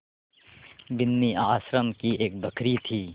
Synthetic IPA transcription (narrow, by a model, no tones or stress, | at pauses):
bɪnːiaːsɾəmkieːk̚bəkʰɾit̪ʰiː